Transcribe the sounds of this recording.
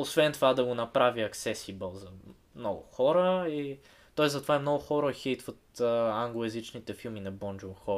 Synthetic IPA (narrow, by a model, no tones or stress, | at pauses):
osvɛnt̪ovad̪ɐɡonɐpɾaviɐksɛsibəlˠzɐ | mnɔɡʊ̰xɔɾəi | t̪ɔɛsɐt̪ovaɛmnɔɡʊxɔɾəxit̪vət̪ːaŋɡlˠoɛzit͡ʃnit̪ɛfilˠminɐbɔnd͡ʒonxɔ